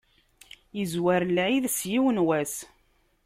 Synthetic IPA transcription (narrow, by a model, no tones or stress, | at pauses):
jəzwæɾlʕiðsjiwənwæs